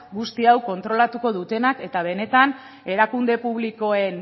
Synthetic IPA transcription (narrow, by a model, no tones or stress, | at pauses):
ɡust̪iawko̞nt̪ɾo̞lat̪uko̞ðut̪e̞nake̞t̪aβ̞e̞ne̞t̪an | e̞ɾakund̪e̞puβ̞liko̞e̞n